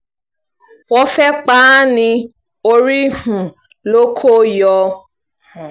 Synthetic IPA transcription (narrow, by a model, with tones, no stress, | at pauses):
wɔ˦fɛ˦k͡paː˦nɪ̃˧ | o˦˧ɾi˦hũ˨ | lo˦kʰo˦jɔ˧˦